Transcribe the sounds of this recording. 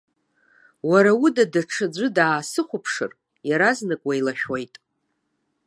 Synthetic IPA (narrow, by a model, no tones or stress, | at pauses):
waɾawudadaʈ͡ʂʰɨd͡ʒʷɨdaːsɨχʷʊpʰʂɨ̰r | jaɾaznɨkʼwailaʃᶣwejtʼ